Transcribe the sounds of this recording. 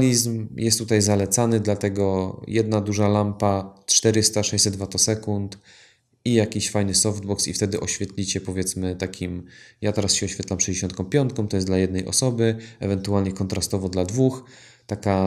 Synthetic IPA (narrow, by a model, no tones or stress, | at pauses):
lʲizmjʔɛst̪ːut̪ajzalɛt̪sanɘd̪lat̪ɛɡɔjɛd̪nad̪uʐalampatʂt̪ɛɾɘst̪aʂɛjsɛd̪vat̪ɔsɛkunt̪ | ijakʲiɕfajnɘsɔfd̪bɔksḭft̪ɛd̪ɘʔɔɕfʲjɛt̪lʲit͡ɕɛpɔvʲjɛt̪smɘt̪akʲimjat̪ɛɾasɕɛɔɕfʲɛt̪lamfʂɛjd͡ʑeɕɔnt̪kɔ̃w̃pʲjɔnt̪̚kɔ̃t̪ɔjɛsd̪lajɛd̪nɛjʔɔ̰sɔbɘɛvɛnt̪ualɲɛkɔnt̪ɾast̪ɔvɔd̪lad̪vux | t̪aka